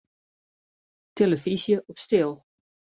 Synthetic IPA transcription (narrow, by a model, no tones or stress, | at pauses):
tʰeləfizjəʔɔpstɪlˠ